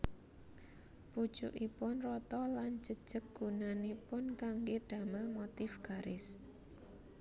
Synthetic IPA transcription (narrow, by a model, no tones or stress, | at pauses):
pu̥ʒ̥ṵʔipʊnrɔt̪ɔland͡ʒəd̥ʒ̥ək̚ɡ̥unanepʊnkaŋɡeɖ̥a̤məlmot̪ɪfɡ̥a̤ɾɪs